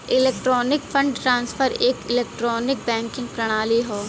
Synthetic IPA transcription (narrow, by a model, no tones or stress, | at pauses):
ɪleːk̚ʈɾɔːnɪkfʰə̃ɳɖʈɾãːnsfəɾeːkɪleːk̚ʈɾɔːnɪk̚bɛ̃ːŋkɪ̃ŋɡpɾɐɽ̃aːliɦoː